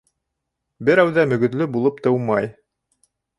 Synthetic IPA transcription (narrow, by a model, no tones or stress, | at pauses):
bɘɾæwðæmɵ̆ɡɵ̆t̪lɵbulˠɤp̚t̪ɤ̆wmɑj